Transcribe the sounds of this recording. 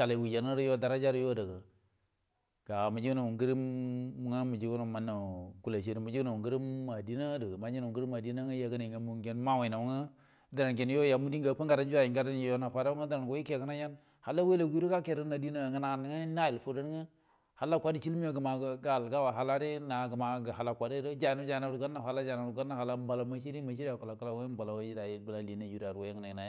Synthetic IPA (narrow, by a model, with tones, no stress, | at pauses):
a˨la˨wi˨d͡ʒa˨n˦ə˦ɾjo˦da˨ɾa˦d͡ʒa˦ɾjo˦də˨ɡə˨ | ɡ̥a˨ma˨d͡ʒi˦ɡna˨wu˨ŋɡə˦ɾi˦m˦ŋa˦mə˨d͡ʒi˦ɡu˦na˨ma˨nːa˨ku˦la˨ʃi˦ɾi˨mu˨d͡ʒna˨u˨ŋɡi˦ɾi˦mːa˨di˦na˦də˨ɡə˨ma˨d͡ʒna˨u˨ŋɡɾi˦ma˨di˦na˦ŋə˦ja˨ɡə˦na˨i˨ŋɡa˨mu˨ŋɡe˦n˦ma˦wa˨na˨wŋə˦ | də˨ɾa˨nke˨n˦jo˦ja˨mu˦di˦ŋ˦ɡa˨pə˦ŋɡa˨ɾa˦d͡ʒu˦a˨i˨ŋɡa˦da˦n˦˨jo˦na˨pa˨da˦wŋa˦də˨ɾa˨nɡo˦i˦ke˦˨ɡə˦na˦ja˦n | ha˨lːa˦we˦la˨ɡʷi˦ɾo˦ka˦ke˨ɾə˦na˨di˦na˦˨ɡə˦na˨n˨˦ŋə˦na˦ji˨lfo˨də˦n˦ŋə˦ | ha˨lːa˦kʷa˦di˨t͡ʃi˦lmi˦jo˨ɡə˨ma˨˦ɡa˦˨lɡa˦wa˨ɦa˨la˦ɾe˦na˨ɡə˨ma˨ɡə˨a˨la˨kʷa˨ɾe˦ɾo˦d͡ʒa˨na˦d͡ʒa˨na˨ɾu˨ɡa˦na˨ha˨la˦d͡ʒa˨na˨ɡa˦nːa˦ha˨la˦m˦ba˨la˨ma˦t͡ʃi˦ɾi˦ma˨ʃi˦ɾa˨ka˨la˨ku˦la˨we˦m˦ba˨la˨wa˦d͡ʒi˦ɾa˨jbə˨la˨li˨˦na˨d͡ʒu˦ɾa˨ɾwo˦a˦ŋə˨na˨na˨ja˦